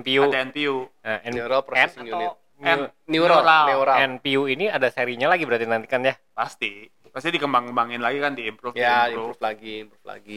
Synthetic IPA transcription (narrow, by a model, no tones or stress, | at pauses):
ɛmpiuadaɛnpiuəɛnnuɾopɾɔsɛɛsŋjunɪt̪̚ | nɛniɾoɾaeuɾaɛnpiuiniadaseɾiɲalaɡibəɾat̪inant̪i̥kanjapast̪i | past̪idikəmbaŋəmbaŋɪnlaɡikandiːmpɾufjadupɾuuflaɡimpɾufla̰ɡi